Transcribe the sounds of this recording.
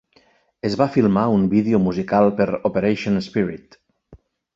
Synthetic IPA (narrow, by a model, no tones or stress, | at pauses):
ezβafilˠmaumbiðeomuzikalˠpeɾopeɾejʃonspiɾit̪